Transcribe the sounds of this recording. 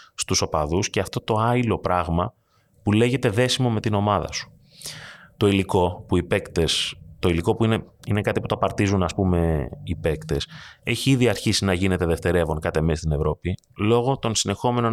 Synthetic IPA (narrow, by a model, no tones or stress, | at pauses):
st̪uso̞pɐðusce̞ɐft̪o̞t̪o̞ɐilo̞pɾɐɣmɐ | pule̞ʝe̞t̪e̞ðe̞simo̞me̞t̪ino̞mɐðɐ̰su̥ | t̪o̞iliko̞puipekt̪est̪o̞iliko̞puineine̞kɐt̪ipu̥t̪oɐpɐɾt̪izunɐspume̞ipe̞kt̪e̞se̞çiiðiɐɾçisinɐʝine̞t̪e̞ðe̞ft̪eɾe̞vo̞ŋkɐt̪e̞mest̪ine̞vɾo̞pi | lo̞ɣo̞t̪o̞nsine̞xo̞me̞no̞